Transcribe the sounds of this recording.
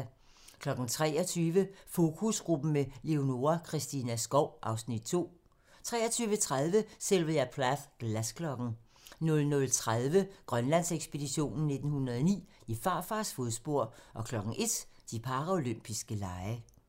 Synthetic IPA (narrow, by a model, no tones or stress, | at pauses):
kʰlɒ̽ɡ̥n̩t͡sʰʁɛ̰ːɒt͡sʰyːʋəfo̝ːkʰusɡ̥ʁub̥n̩mele̝o̝no̝ɐkʰʁisd̥inæsɡ̥ɒʊʔɑ̈ʊsnid̥t͡sʰo̝̰ː | t͡sʰʁɛ̰ːɐt͡sʰyːʋət͡sʰʁað̞ˠʋəselʋəjæpʰlafɡ̥læskʰlɒ̽ɡ̥n̩ | nɔ̽lnɔ̽lt͡sʰʁaðˠʋəɡ̥ʁɶnlæn̰seɡ̥sb̥e̝diɕo̝̰ːnn̩nːe̝d̥n̩hunʁɐðˠɒnḭː | ifɑ̈ːfɑ̈ːsfo̝ðˠsb̥o̝ɐ̰ʔɒ̽kʰlɒ̽ɡ̥n̩ʔe̝d̥d̥ipʰɑ̈ʁɐo̝løm̰b̥isɡ̥əlɑ̈ɪə